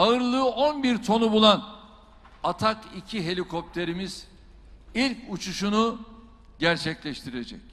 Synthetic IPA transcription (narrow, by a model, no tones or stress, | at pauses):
aɯɾlˠɯːonbiɾt̪ʰo̞nubulˠan | at̪ʰakicʰiɦe̞lʲikʰo̞p̚t̪ʰe̞ɾimiz̥ | ilʲcut͡ʃʰuʃunu | ɟæɾt͡ʃʰɛclʲɛʃt̪ʰiɾed͡ʒɛ̰c